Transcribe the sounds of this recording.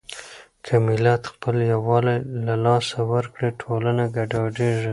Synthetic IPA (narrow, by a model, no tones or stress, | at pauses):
kʰəmɪlat̪xpəljawɑlalalɑsawəɾkɽeʈʰolanaɡaɖɑɖeʐi